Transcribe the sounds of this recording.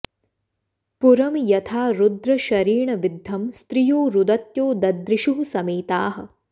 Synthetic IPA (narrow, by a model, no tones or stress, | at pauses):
puɾɐmjɐt̪ʰaːɾud̪ɾɐʃɐɾiːɳɐʋid̪ʱːɐmst̪ɾijoːɾud̪ɐt̪joːd̪ɐd̪ɾɪʃuɦusɐmeːt̪aːɦɐ̰̆